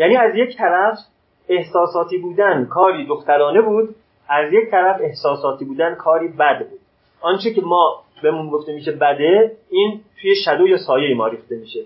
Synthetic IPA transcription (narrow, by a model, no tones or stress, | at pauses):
jæːniːæzje̞ct̪ʰæɾæf | e̞hsɒːsɒːt̪ʰiːbuːd̪ænkʰɒːɾiːd̪oxt̪æɾɒːne̞buːd̪ | ʔæzje̞ct̪ʰæɾæfe̞hsɒːsɒːt̪ʰiːbuːd̪ænkʰɒːɾiːbæd̪buːd̪̚ | ʔɒːnt͡ʃʰecemɒː | be̞munɡoft̪e̞miːʃebæd̪e̞iːnt̪ʰuːje̞ʃæd̪ojɒːsɒːjeimɒːɾiːxt̪e̞miːʃe